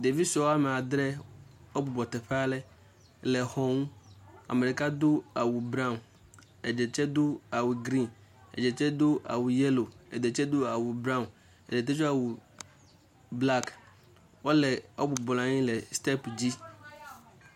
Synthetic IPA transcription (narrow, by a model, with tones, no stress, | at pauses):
de˨vi˦sʊ˨ɔ˦a˦m˨a˨dɾɛ˦ | ɔ˦bʊ˨bɔ˨tɛ˨ɸʰa˦lɛ˦ | lɛ˨hɔ̃˨˦n˦a̰˨me˨ɾɪ˨ka˦dʊ˦a˨wu˨bɾã˦˨n | ɛ˨d͡ʑɛ˨t͡ɕʰɛ˦dʊ˦a˨wʊ˨ɡɾĩ˦n | ɛ̰˨d͡ʑɛ˨t͡ɕʰɛ˦dʊ˦a̰˨wʊ˨jɛ˦lo˨ɛ̰˨dɛ˨t͡ɕʰɛ˦dʊ˦a˨wʊ˨bɾã˦˨ʊ̃˨n | ɛ̰˨de˨t̬ɛ˦t͡ʃa˨wʊ˨ | bla˦k | wɔ˦lɛ˨ɔ˦bʊ˨bʊ˨lã˨˦ɲɪ̃˦lɛ˨stɛ˦pd͡ʑi˦